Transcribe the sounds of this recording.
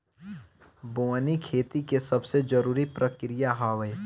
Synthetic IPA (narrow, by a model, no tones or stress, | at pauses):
boːnikʰeːt̪ikesɐbsed͡ʒəɾuːɾipɾəkɾijaɦaːʋe